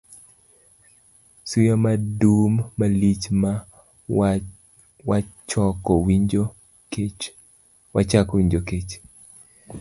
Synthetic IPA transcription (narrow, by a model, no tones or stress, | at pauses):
sujamadumːalit͡ʃma | wat͡ʃɔkɔwi | wat͡ʃakɔwiɲd͡ʒoket͡ʃ